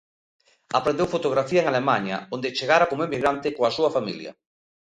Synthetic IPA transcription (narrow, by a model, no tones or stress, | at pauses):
apɾẽnd̪ewfot̪oɣ̞ɾafiaeŋalemaɲa̰ond̪et͡ʃeɣaɾakomemiɣɾant̪ekoasuafamḭlj̰a̰